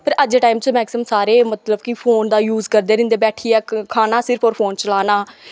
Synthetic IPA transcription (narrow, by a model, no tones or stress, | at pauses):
pəɾəd͡ʒeːʈaːiːmt͡ʃmɛːksəmsaːɾeːmət̪ləbkipʰoːnd̪aːjuːzkəɾd̪eːɾɪ̃nd̪eːbɛːʈʰiːɛːkʰaːnaːsɪɾpʰɔːɾpʰoːnt͡ʃəlaːnaː